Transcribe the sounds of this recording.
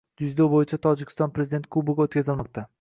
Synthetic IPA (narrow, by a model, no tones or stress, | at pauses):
d̪̥ʊd͡ʒd̪obojɪt͡ʃʰat̪ʰɒd͡ʒɪkʲɪ̥st̪ɒnpɾezɪd̪ent̪̚kʰubʊɡʲaot̪kʰʲazɪlmɒq̚t̪ʰa